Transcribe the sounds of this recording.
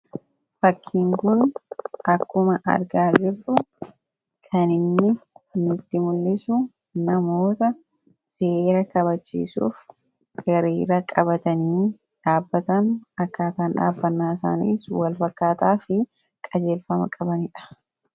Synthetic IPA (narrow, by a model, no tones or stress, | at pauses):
fɐkʰːiŋkʊnʔɐkːʊmɐʔɐ̰ɾɡaːd͡ʒɪrʊ | kʰɐnɪnːɪnɪt̪ːɪmʊlːɪsʊ | nɐmo̞ːt̪ɐ | se̞ːɾɐkɐβɐt͡ʃːḭːsṵːf | ɡ̥ɐɾiːɾɐkʼɐβɐt̪ɐniː | ᶑaːbːɐt̪ɐnɐkːaːt̪aːnᶑa̰ːbːɐnːaːs̬a̰ːnḭːswɐlfɐkːaːt̪aːfɪ | kʼɐd͡ʒe̞ːlfɐmɐ̰kʼɐbɐnɪᶑɐ̥